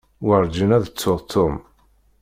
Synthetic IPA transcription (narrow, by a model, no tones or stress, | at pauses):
wəɾˤd͡ʒənæðət͡sːʊðˤt̪ʰːʊm